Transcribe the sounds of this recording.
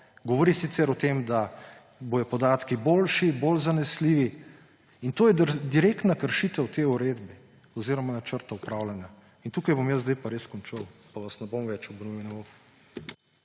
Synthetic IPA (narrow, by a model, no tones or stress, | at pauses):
ɡɔʋɔɾisit̪sɛɾɔt̪emd̪a | bojɔpɔd̪aːt̪kiboːlʃibolzanɛsliːʋi | int̪oːjɛd̪iɾekt̪nakəɾʃit̪ɛwt̪eːuɾeːd̪bɛ | ɔziːɾɔmanat͡ʃəɾt̪aupɾaːwlanja | int̪uːkajbomjəzd̪ajpaɾeskɔnt͡ʃəwpaʋasnɛbomʋɛt͡ʃubnuinɛbo